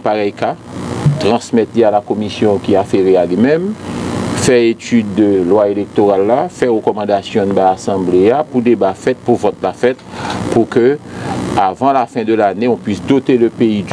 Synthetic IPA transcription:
paʁɛjka | t̪ʁɑ̃smɛt̪lialakomisjɔ̃kiafeʁealimɛ̃m | fɛet̪yd̪ːəlwaelek̚t̪oʁalːafɛʁəkɔmɑ̃d̪asjɔ̃baasɑ̃bleapud̪ebafɛt̪̚puvɔt̪lafɛt̪̚puʁkø | avɑ̃lafɛ̃d̪əlaneɔ̃pɥisd̪ot̪eləpei

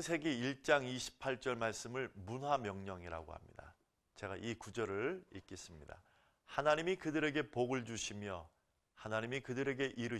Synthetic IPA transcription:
sʰe̞ɡe̞iɭt͡ɕ͈aŋiɕʰi̥pʰaɭt͡ɕ͈ʌɭmaɭs͈ɯmɯɭmunɦamjʌŋɲʌŋiɾa̰ɡo̰ha̰mɲḭd̥a̰ | t͡ɕe̞ɡa̰ʔikud͡ʑʌɾɯɭik͈es͈ɯmɲida̰ | hanaɲimikɯdɯɾe̞ɡe̞poɡɯɭd͡ʑuɕʰimjʌ | hanaɲimikɯdɯɾe̞ɡe̞ʔiɾɯ

